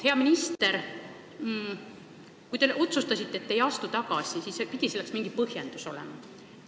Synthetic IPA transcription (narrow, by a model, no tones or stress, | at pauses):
he̞ɑminist̪eɾ | kujt̪e̞ʔo̞t̪sust̪ɑsit̪ːeːt̪ːejɑst̪ut̪ɑɡɑsisiːsepid̪̥ʲiselːeksmiŋɡipɤɦjend̪̥uso̞̰lɛ̰mɑ